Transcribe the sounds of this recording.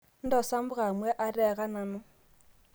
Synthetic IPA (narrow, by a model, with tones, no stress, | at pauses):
n̩˦dɔ˨sa˦m̩˦bʊ˦ɣa˨mwɛ˦ʔa˦ɾɛ˦˨ɣa˦na˨mʊ˦